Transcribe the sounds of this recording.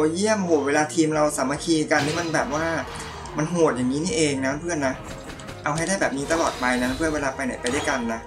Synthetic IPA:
ji˥˩əmho˨˩weː˧laː˧t̪ʰiː˧mɾa˧wsa˩˦ma˧kʰiː˧ka˧nt̪ʰiː˦˥ma˧nbɛː˨˩p̚waː˥˩ | ma˧nɦoː˨˩t̪̚jaː˨˩ŋniː˦˥niː˥˩ʔeː˧ŋnaː˦˥˧mpʰɯ˥˩ənːa˦˥ | ʔa˧wɦa˥˩jda˥˩jbɛː˨˩p̚ni˦˥t̪a˧lɔː˨˩t̪̚pa˧jna˦˥pʰɯ˥˩ənweː˧laː˧pa˧jna˩˦jpa˧jdu˥˩jka˧nːa˦˥ʔ

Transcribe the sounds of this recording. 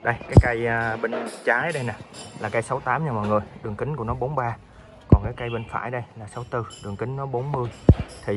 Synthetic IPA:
ɗə˧jkaː˨˦jkə˧jːɓi˧ŋ̟t͡ɕaː˨˦jɗə˧jna˨˩jlaː˨˩kə˧jsa˨˦wt̪aː˨˦mɲa˧mɔ̰˨jŋɨ˨˩əjɗɨ˨˩əŋkï˨˦ŋ̟ku˧˥nɔ˨˦ɓo˨˦nɓaː˧ | kɔ˨˩nkaː˨˦jkə˧jɓə˧ŋ̟fa̰ː˧˩jɗə˧jlaː˨˩sa˨˦wt̪ɨ˧˩ɗɨ˨˩əŋkï˨˦ŋ̟nɔ˨˦ɓo˨˦nmɨ˧əjt̪ʰi˨˩

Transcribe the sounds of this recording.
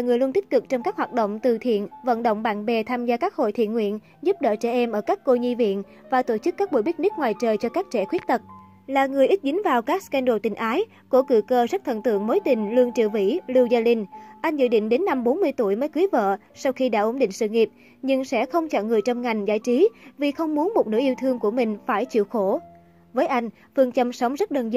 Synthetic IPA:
laː˨˩ŋɨ˨˩əjlu˧nt̪ï˦˥k̚kɨ˨˩k̚t͡ɕɔ˧wŋ͡mkaː˦˥k̚hwaː˨˩t̚ɗo̰˧˨wŋ͡mt̪ɨ˨˩t̪ʰḭ˧˨ənvə̰˧˨nɗo̰˧˨wŋ͡mɓa̰ː˧˨nɓɛ˨˩t̪ʰaː˧mzaː˧kaː˦˥k̚ho̰˧˨jt̪ʰḭ˧˨ənŋwḭ˧˨ən | zu˦˥p̚ɗə̰ː˧˨t͡ɕɛ˧˩ʔɛ˧mʔəː˧˩kaː˦˥kːo˧ɲi˧vḭ˧˨ən | vaː˨˩t̪o˧˩t͡ɕɨ˦˥kːaː˦˥k̚ɓṵ˧˩jɓi˦˥t̚ni˦˥k̚ŋwaː˨˩jt͡ɕəː˨˩jt͡ɕɔ˧kaː˦˥k̚t͡ɕɛ̰˧˩xwi˦˥ət̚t̪ə˨˩t̚ | laː˨˩ŋɨ˨˩əjʔi˦˥t̚zï˨˦ŋ̟vaː˨˩wkaː˦˥k̚skɛ˧nɗo̰˧˩t̪ï˨˩ŋ̟ʔaː˨˦j | ko˧˩kɨ̰˧˩kəː˧zə˦˥t̚t̪ʰə̰˧˨nt̪ɨ̰˧˨əŋmo˨˦jt̪ï˨˩ŋ̟lɨ˧əŋt͡ɕɨ̰˧˨vḭ˧˩lɨ˧wzaː˧li˧nʔa˧jŋ̟zɨ̰˧˨ɗḭ˧˨ŋ̟ɗe˨˦nːa˧mɓo˨˦nmɨ˧əjt̪u˧˩əjməː˨˦jkɨ˨˦jvə̰ː˧˨ | sa˧wxi˧ɗa̰ː˧˥ʔo˨˦nɗḭ˧˨ŋ̟sɨ̰˧˨ŋi˨˩əp̚ | ɲɨ˧ŋsɛ̰˧˥xə˧wŋ͡mt͡ɕə̰ː˧˨ŋɨ˨˩əjt͡ɕɔ˧wŋ͡mŋa˨˩jŋ̟za̰ː˧˥˩jt͡ɕi˨˦vi˨˩xə˧wŋ͡mmu˨˦ənmo˨˩t̚nɨ̰˧˥ʔi˧əwt̪ʰɨ˧əŋku˧˩əmï˨˩ŋ̟faː˧˩jt͡ɕḭ˧˨əwxo˧˩ | vəː˨˦jʔa˧jŋ̟ | fɨ˧˩əŋt͡ɕə˧msə˨˦wŋ͡mzə˦˥t̚ɗəː˧˩nz

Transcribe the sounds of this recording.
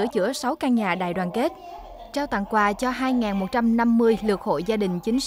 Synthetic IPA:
ət͡ɕɨ̰˧˩əsa˨˦wkaː˧nɲaː˨˩ɗa̰ː˧˨jɗwaː˨˩nke˦˥t̚ | t͡ɕaː˧wt̪a̰˧˨ŋkwaː˨˩t͡ɕɔ˧ɦaː˧jŋaː˨˩nmo˨˩t̚t͡ɕa˧mna˧mːɨ˧əjlɨ˨˩ək̚ho̰˧˨jzaː˧ɗï˨˩ŋ̟t͡ɕï˨˦ŋ̟

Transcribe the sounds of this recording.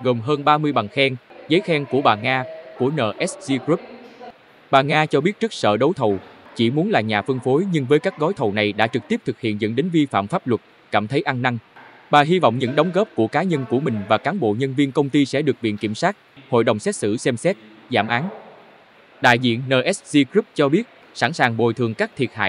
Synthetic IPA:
ɣo˨˩mɦəː˧nɓaː˧mɨ˧əjɓa˨˩ŋxɛ˧ŋzəː˨˦jxɛ˧ŋku˧˩əɓaː˨˩ŋaː˧ku˧˩ənəː˨˩ʔɛ˦˥szi˧kɾu˦˥p̚ | ɓaː˨˩ŋaː˧t͡ɕɔ˧ɓi˦˥ət̚t͡ɕɨ˦˥k̚sə̰ː˧˨ɗo˨˦wt̪ʰə˨˩wt͡ɕi˧˩mu˨˦ənlaː˨˩ɲaː˨˩fɨ˧ŋfo˨˦jɲɨ˧ŋvəː˨˦jkaː˦˥k̚ɣɔ˨˦jt̪ʰə˨˩wna˨˩jɗa̰ː˧˥t͡ɕɨ˨˩k̚t̪i˦˥p̚t̪ʰɨ˨˩k̚hḭ˧˨ənzə̰˧˨nɗe˨˦nvi˧fa̰ː˧˨mfaː˦˥p̚lwə˨˩t̚ | kaː˧˩mt̪ʰə˨˦jʔa˧nːa˧ŋ | ɓaː˨˩ɦi˧vɔ̰˧˨wŋ͡mɲɨ̰˧˥ŋɗə˨˦ŋ͡mɣɔː˦˥p̚ku˧˩əkaː˨˦ɲə˧nku˧˩əmï˨˩ŋ̟vaː˨˩kaː˨˦nɓo̰˧˨ɲə˧nvi˧ənkə˧wŋ͡mt̪i˧sɛ̰˧˥ɗɨ˨˩ək̚ɓḭ˧˨ənki˧˩msaː˦˥t̚ho̰˧˨jɗə˨˩wŋ͡msɛ˦˥t̚sɨ̰˧˩sɛ˧msɛ˦˥t̚zaː˧˩mʔaː˨˦n | ɗa̰ː˧˨jzḭ˧˨ənːəː˨˩ʔɛ˦˥szi˧kɹi˦˥p̚t͡ɕɔ˧ɓi˦˥ət̚ | sa̰˧˩nsaː˨˩ŋɓo˨˩jt̪ʰɨ˨˩əŋkaː˦˥k̚t̪ʰi˨˩ət̚ha̰ː˧˨j

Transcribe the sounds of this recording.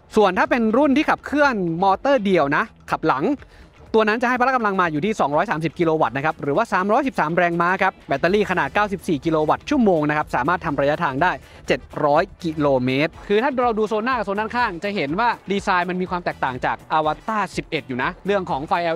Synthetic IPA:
su˨˩ənt̪ʰaː˥˩pe˧nɾu˥˩nt̪ʰiː˥˩a˨˩p̚kʰɯ˥˩ənmɔː˧t̪ɤː˥˩di˧əwna˦˥kʰa˨˩p̚la˩˦ŋ | t̪u˧əna˦˥nt͡ɕa˨˩ha˥˩jpʰla˦˥ka˧mla˧ŋmaː˧juː˨˩iː˥˩sɔː˩˦ŋɾɔː˦˥jsaː˩˦msi˨˩p̚ki˧loː˧wa˨˩t̪̚na˦˥kʰa˦˥p̚ɾɯː˩˦waː˥˩saː˨˩˦mɾɔː˦˥jsi˨˩p̚saː˩˦mɾɛː˧ŋmaː˦˥kʰa˦˥p̚bɛ˦˥t̪ːaː˧liː˥˩kʰa˧naː˨˩t̪̚kaː˥˩wsi˨˩p̚siː˨˩ki˧loː˧wa˨˩t̪̚t͡ɕʰu˥˩əmoː˧ŋna˦˥kʰa˦˥p̚saː˩˦maː˥˩t̪ʰːa˧mɾaː˧ja˦˥t̪ʰaː˧ŋdaː˥˩j | t͡ɕe˨˩t̪̚ɾɔː˦˥jki˧loː˧meː˦˥t̪̚kʰɯː˧aː˥˩ɾa˧wduː˧soː˧nːaː˥˩ka˨˩soː˧nːaː˥˩kʰaː˥˩ŋt͡ɕa˨˩ɦe˩˦nwaː˥˩diː˧saː˧jma˧nmiː˧kwaː˧mt̪ɛː˨˩k̚t̪aː˨˩ŋt͡ɕaː˨˩k̚ʔaː˧wa˧t̪aː˥˩si˨˩p̚ʔe˨˩t̪̚juː˨˩na˦˥ɾɯ˥˩əŋkʰɔː˩˦ŋfa˧jʔɛ˧

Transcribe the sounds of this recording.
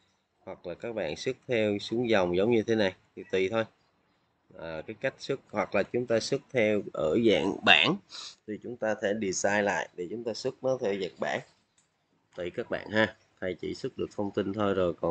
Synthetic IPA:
hwa˨˩k̚laː˨˩kaː˦˥k̚ɓa̰ː˧˨nsɨ˦˥k̚t̪ʰɛ˧wsɨ˨˦əŋza˨˩wŋ͡mzə˨˦wŋ͡mɲɨ˧t̪ʰe˨˦na˨˩jt̪ʰi˨˩t̪wi˨˩t̪ʰo˧j | ʔəː˨˩kaː˨˦jka˦˥jk̟̚sɨ˦˥k̚hwa˨˩k̚laː˨˩t͡ɕʊ˨˦ŋ͡mt̪aː˧sɨ˦˥k̚t̪ʰɛ˧wʔəː˧˩za̰ː˧˨ŋɓa̰ː˧˩nt̪ʰi˨˩t͡ɕʊ˨˦ŋ͡mt̪aː˧t̪ʰe˧˩ɗi˨˩zaː˧jla̰ː˧˨jɗe˧˩t͡ɕʊ˨˦ŋ͡mt̪aː˧sɨ˦˥k̚nɔ˨˦t̪ʰe˧˩za̰ː˧˨ŋɓa̰ː˧˩n | t̪i˧˨˩kaː˦˥k̚ɓa̰ː˧˨nɦaː˧ | t̪ʰa˧˩jt͡ɕḭ˧˩sɨ˦˥k̚ɗɨ˨˩ək̚t̪ʰə˧wŋ͡mt̪i˧nt̪ʰo˧jzo˨˩jkɔ˨˩

